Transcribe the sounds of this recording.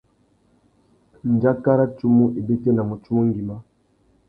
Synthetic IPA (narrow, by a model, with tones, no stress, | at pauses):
n̩˨d͡ʒa˦ka˦ɾa˦tu˦mu˦ʔe˨be˦te˦na˨mo˨t͡ʃu˦mo˦ŋ˦ɡi˨ma˦